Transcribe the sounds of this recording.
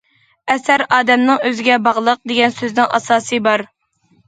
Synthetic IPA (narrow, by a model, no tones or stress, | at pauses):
ɛsæɾɑːd̪ɛmnɨŋøzɪɡʲɛbɑʁlˠəq̚d̪eɡʲɛnsøznɪŋʔɑ̰sɑːsɨbɑɾ